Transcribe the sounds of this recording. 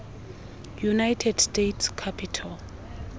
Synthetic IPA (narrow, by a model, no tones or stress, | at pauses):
junajtʰɛdstetʰskʰapʰitʰal